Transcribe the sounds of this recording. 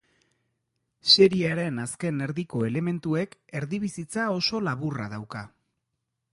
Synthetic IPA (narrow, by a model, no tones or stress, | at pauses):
se̞ɾiaɾe̞naske̞ne̞ɾðiko̞e̞le̞me̞nt̪ue̞ke̞ɾðiβ̞isit͡sao̞so̞laβura̰ðawka